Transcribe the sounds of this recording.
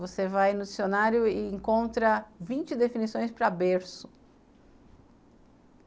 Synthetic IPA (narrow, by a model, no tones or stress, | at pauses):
vosevajnʊd͡ʒisionaɾjʊɪẽŋkõnt̪ɾɐvĩnt͡ʃɪd̪efinisõj̃spɾɐbeɾsʊ̥